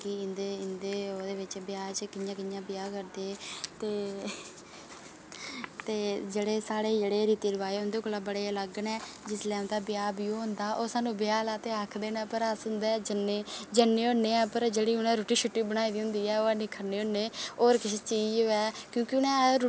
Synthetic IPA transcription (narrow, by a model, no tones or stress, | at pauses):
kiɪnd̪eːɪnd̪eːoːd̪eːʋɪt͡ʃbjaːt͡ʃkɪjãːkɪnjãːbɪjaːkəɾd̪eːt̪eː | t̪eːd͡ʒeːɽeːsaːɽeːd͡ʒeːɽeːɾiːt̪iːɾəʋaːeːʊnd̪eːkoːlaːbəɽeːələɡənɛːd͡ʒɪslɛːd̪aːbɪjaːbiõːɦʊ̃nd̪aːʔoːsaːnũːbɪjaːlaːt̪eːaːkʰd̪eːnɛ̃ːpəɾəsʊnd̪ɛːd͡ʒəneːd͡ʒənːeːonːeːɛːpəɾd͡ʒeːɽiːʊnɛ̃ːɾoːʈiːʃʰʊʈːiːbənaːiːd̪iːɦʊ̃nd̪iːɛːoːaːnĩːkʰəɾneːɦoneːoːɾkɪst͡ʃiːd͡ʒoːɛːkjõːkɪʊnɛ̃ː